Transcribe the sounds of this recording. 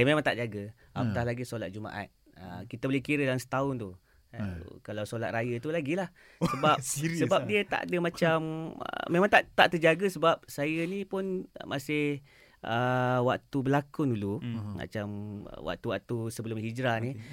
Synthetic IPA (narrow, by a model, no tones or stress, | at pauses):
əmemãŋt̪aʔd͡ʒaɡə | apət̪ahlaɡisolat̪̚d͡ʒuma̰ʔa̰t̪̚ | ə̰kit̪əbolehkiɾədalaŋsə̥t̪aʊnt̪u | kalawsolat̪̚rajət̪ulaɡilah | səbap̚səbap̚diət̪a̰ʔa̰dəmat͡ʃamə̰memãŋt̪aʔt̪aʔt̪ərd͡ʒaɡəsəbap̚sajənipʊn̰mʔasɪh | ʔəwakt̪ubəlakunduluma̰t͡ʃamə̰wa̰ʔ̚t̪uwaʔ̚t̪usəbəlʊmɦid͡ʒɾani